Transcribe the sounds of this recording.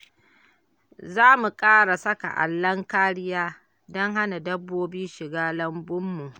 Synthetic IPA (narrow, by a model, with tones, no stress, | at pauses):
zaː˦mu˨kʼaː˦ɽa˨sɐ˦ka̰˨ʔa̰˨lːɐ˦ŋkaː˦ɽɪ˦jaː˦ | dɔ˦ŋɦa˦na˨dɐ˦bːoː˦biː˦ʃɪ˨ɡaː˦lɐ˦mbʊ˦mːu˨ʔ